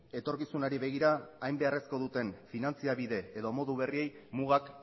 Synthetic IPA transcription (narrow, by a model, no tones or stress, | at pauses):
e̞t̪o̞ɾkisunaɾiβe̞ɣiɾaːjmbe̞are̞sko̞ðut̪e̞nfinant͡siaβiðe̞ːðo̞mo̞ðuβ̞e̞rie̞jmuɣak